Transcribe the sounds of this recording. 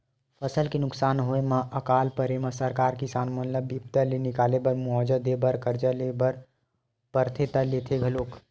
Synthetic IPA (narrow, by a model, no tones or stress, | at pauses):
pʰəsəlkenʊksaːnɦoemãʔəkaːlpəɾemãsəɾkaːɾkisaːnmənləbip̚t̪əlenɪkaːlebəɾmʊɦɔːd͡ʒəd̪ebəɾkəɾd͡ʒəlebəɾ | pəɾt̪ʰet̪əleːt̪ʰeɡʱəloːk